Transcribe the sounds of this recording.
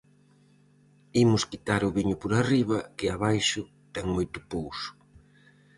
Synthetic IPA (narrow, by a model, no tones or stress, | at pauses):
imʊskit̪aɾʊβiɲʊpoɾariβ̞ɐkɪaβajʃʊ | t̪ɛŋmojt̪ʊ̥powsʊ̥